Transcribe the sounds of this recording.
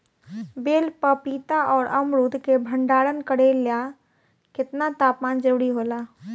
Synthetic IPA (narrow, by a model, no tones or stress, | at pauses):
beːlpəpiːt̪aʔɔːɾɐmɾuːd̪kebʱə̃ɳɖaːɽənkəɽelja | kɪt̪nat̪aːpmaːnd͡ʒəɾuːɽiɦoːlaː